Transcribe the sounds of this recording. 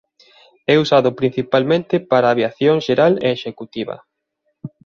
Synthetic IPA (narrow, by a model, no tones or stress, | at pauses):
ɛusaðʊpɾin̟θipalmẽnt̪ɪpaɾaːβjaθjoŋʃeɾalḛːʃekut̪iβɐ̰